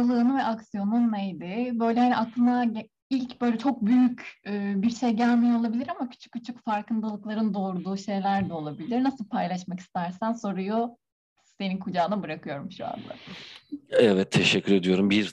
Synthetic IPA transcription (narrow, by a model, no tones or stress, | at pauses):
alˠɯːnɯvɛʔaksijo̞nunːejd̪ɪbø̞jlʲɛhaniaklˠɯna | ilʲcbø̞jlʲɛt͡ʃʰo̞k̚byjycɯːbiɾʃe̞jɟælʲmijɛo̞lˠabilʲiɾamacʰy̥t͡ʃʰy̥c̚ʲcʰːyt͡ʃʰycfaɾkɯnd̪alˠɯklˠaɾɯnd̪o̞ːɾud̪uːʃe̞jlʲæɾd̪ɛo̞lˠabilʲiɾnasɯlˠpʰajlˠaʃ̬maki̥st̪ʰæɾsænso̞ɾuju | se̞ninkʰud͡ʒaːnabɯɾakɯjo̞ɾumʃua̰nd̪a̰ | ɛvɛt̪ʰːeʃɛcʰːyɾe̞d̪ijo̞ɾumbiɾ